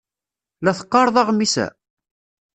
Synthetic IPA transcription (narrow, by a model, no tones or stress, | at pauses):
læθə̥qːɑɾˤðˤɑʁmisæ̰